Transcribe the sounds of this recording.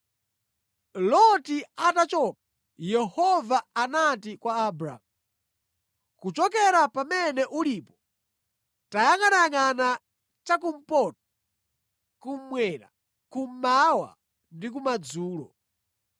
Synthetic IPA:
lɔtiatat͡ʃɔk̚a | jɛhɔvaːnatikwaːbɾa̰mu | kut͡ʃɔk̬ɛɾapamɛnɛʔulipɔ | tajaŋɡanaŋana | t͡ʃakum̩pɔt̚ɔ | kum̩mwɛɾa̰ | kum̩mawa̰ | ndik̬umad͡zuːlɔ̰

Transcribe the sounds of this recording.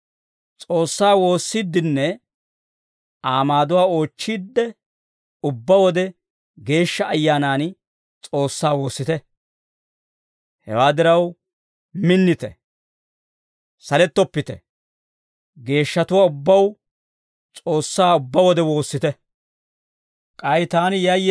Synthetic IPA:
t͡sʼo̞ːsːaːwo̞ːsːid̪ːɪnːɛ | aːmaːd̪ʊwaːo̞ːt͡ʃːiːd̪ːɛ | ʊbːɐwɔd̪ɛ | ɡe̞ːʃːɐːjːaːnaːn | t͡sʼo̞ːsːaːwo̞ːsːɪt̪ɛ | hɛ̰waːd̪ɪɾɐw | mɪnːɪt̪ɛ̰ | sɐlɛt̪ːɔpːɪt̪ɛ̰ | ɡe̞ːʃːɐt̪ʊwaːʊbːɐw | t͡sʼo̞ːsːaːʊbːɐwɔd̪ɛwo̞ːsːɪt̪ɛ | kʼɐjt̪aːnɪjɐj

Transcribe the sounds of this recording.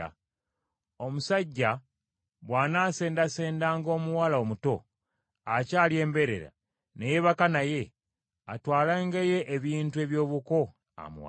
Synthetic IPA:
o̞musaɟːa | βwaːnaːse̞ːndase̞ːndaːŋɡo̞ːmuwalao̞muto̞ | acaːlje̞ːmbe̞ɾe̞̰ɾa̰ | neje̞βakanaje̞ | a̰twaːlaŋɡeje̞ʔːβiːntue̞βjo̞ːβuko̞ | a̰mṵwa̰

